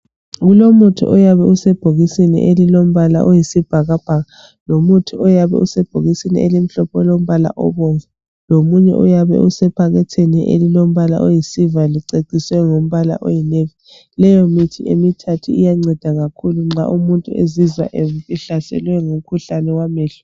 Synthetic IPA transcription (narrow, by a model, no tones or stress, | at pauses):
ɣulomutʰṵʔɔjaβɛusɛb̥ʱoɣisinḭʔelilom̩βala̰ʔojisib̥ʱaɣab̥ʱaɣa | lomutʰuɔjaβɛ̰usɛb̥ʱoɣisinḭelim̩ɬɔpʰɔlom̩βala̰ʔɔβoɱvu | lomuɲɛ̰ʔṵjaβɛ̰usɛpʰaɣɛtʰeniʔḛlilom̩βala̰ʔojisivaliǀeǀiswɛŋom̩βala̰ʔojinevi | lɛjomitʰiemitʰatʰuijaŋ͡ǀɛd̥ʱaɣakʰuluŋ͡ǁa̰ʔumuntʼuezizwa̰ʔemupʼiɬasɛ̰lwɛŋum̩kʰuɬanɛwamɛːɬɔ̥